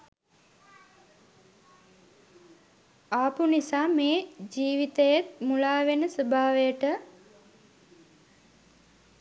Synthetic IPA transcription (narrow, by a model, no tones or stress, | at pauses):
aːpunisaːmeːd͡ʒiːʋit̪əjet̪mulaːʋenəsəbʱaːʋəjəʈə